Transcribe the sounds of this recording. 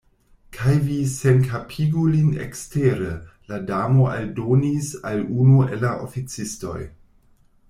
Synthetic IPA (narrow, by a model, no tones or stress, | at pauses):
kʰajvisenkʰapʰiɡulinḛksteɾeladamoaldonisalunuelaʔo̰fit͡sisto̞̰j